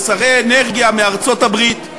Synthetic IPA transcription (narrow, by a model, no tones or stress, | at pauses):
saʁejeneʁɡijameaʁt͡sotabʁit̪